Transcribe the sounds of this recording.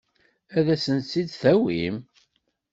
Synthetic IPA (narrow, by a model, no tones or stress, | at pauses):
æðæsənt͡sːid̪θæwim